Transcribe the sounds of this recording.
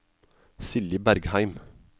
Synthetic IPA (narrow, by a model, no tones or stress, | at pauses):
sɪləbæɾɡhæɪm